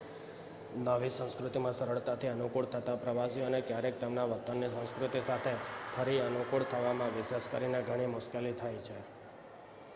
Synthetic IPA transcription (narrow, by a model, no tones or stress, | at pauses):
nəʋisə̃w̃skɾʊt̪imãsəɾəɭt̪at̪ʰiənukuɭt̪ʰət̪apɾəʋasiənekjaɾek̚t̪əmnaʋət̪ənːisə̃w̃skɾʊt̪isat̪ʰepʰəɾiənukuɭt̪ʰəʋamãʋɪʃeskəɾineɡʱəɽ̃imʊʃkelit̪ʰajt͡ʃʰe